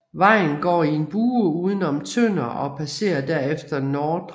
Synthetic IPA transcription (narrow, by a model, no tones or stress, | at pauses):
ʋɑ̈ɪ̰n̩ɡ̥ɒ̰ːie̝nb̥uːəuːð̞ˠən̩ɒ̽mt͡sʰøn̰ɐɒ̽pʰæse̝̰ːɐd̥æɐ̰efd̥ɐnɒːd̥